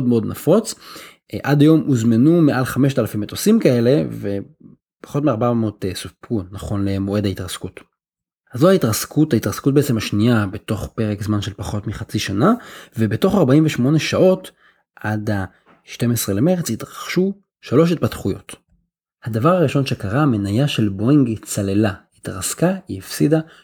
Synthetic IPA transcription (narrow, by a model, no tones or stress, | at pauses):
odmeo̞dnafo̞t͡s | ʔadajo̞mʔuzmenumeʔalχame̞ʃ̬talafimet̪osimkae̞le̞ve̞ | pḁχo̞tmiaʁbamotesupunaχo̞nlemoe̞dhaitʁaskut | hazohaitʁaskʰuthait̪ʁaskut̚beet͡semhaʃniabeto̞χpeʁekzmanʃe̞lpaχo̞tmiχat͡siʃanavebeto̞χaʁbaimveʃmo̞ne̞ʃao̞t | ʔadha | ʃte̞mesʁe̞lemeʁet͡sitʁaχʃu | ʃalo̞ʃ̬it̚patχujo̞̰t | had̪avaʁaʁiʃo̞nʃe̞kaʁame̞najaʃe̞lboiŋɡit͡sale̞lahit̪ʁaskaiifsida